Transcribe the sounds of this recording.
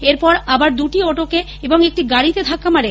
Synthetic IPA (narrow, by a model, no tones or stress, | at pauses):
eɾpɔɾabaɾd̪uʈiɔʈoke | eboŋek̚ʈiɡaɽit̪ed̪ʱakːamaɽe